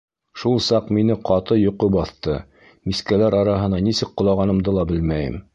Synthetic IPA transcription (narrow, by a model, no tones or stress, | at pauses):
ʃulˠsɑqminɘqɑt̪ɤjŏqobɑθt̪ɤ | miskælæɾɑɾɑɦɤ̆nɑnisɘk̚qŏlˠɑʁɑnɤ̆md̪ɤlˠɑbɘlmæjɘ̰m